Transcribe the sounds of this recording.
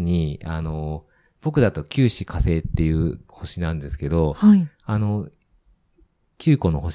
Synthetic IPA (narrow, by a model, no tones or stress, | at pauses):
ɲ̟ia̰no̞ | b̥o̞kɯ̟d̪at̪o̞kʲɨːɕikase̞ːt̪ːe̞jɯ̟ːho̞ɕinãnd̪e̞sɨ̥ke̞d̪o̞hai | ano̞ | kʲɨːko̞no̞ɦo̞ɕ